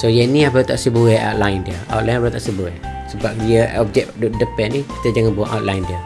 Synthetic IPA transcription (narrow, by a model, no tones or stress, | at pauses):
sojəniabət̪a̰ʔsəbəwɛʔa̰wt̪lajndiəa̰wt̪̚lajnabət̪aʔsəbəwɛsəbap̚diəɔp̚d͡ʒɛkʔduʔdəpɛʔniki̥t̪əd͡ʒaŋanbuaʔawt̪̚lajndiə